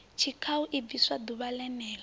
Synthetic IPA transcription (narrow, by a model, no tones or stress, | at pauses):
t͡ʃʰikʰauʔib̪viswad̪uβalɛnɛːla